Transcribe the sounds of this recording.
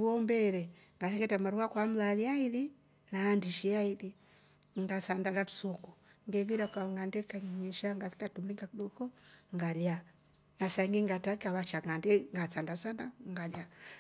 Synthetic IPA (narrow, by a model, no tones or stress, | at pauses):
uɔmbɛɾɛ | ŋɡasɛŋɡɛtamaɾuwakwam̩laliaili | naːndiʃiaili | ŋɡasandanatu̥sɔku | ŋɡɛβiɾakaŋandɛkaɲɲiʃaŋɡasi̥katumliŋɡakuɗɔkɔŋɡalja | nasaŋɡiŋɡatakaβat͡ʃaŋandɛŋɡasandasandaŋɡalja